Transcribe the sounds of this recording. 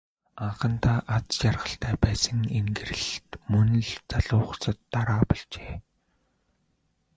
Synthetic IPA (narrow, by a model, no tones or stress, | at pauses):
aɴχə̆nt̪ʰaːʔat͡st͡ɕarʁə̆ɬt̪ʰæːpæːsə̆ŋeŋɡɘ̆rɘ̆ɮt̪mɵn̆ɮt͡saɮʊːχsə̆t̪ːaɾaːpɔɮt͡ɕeː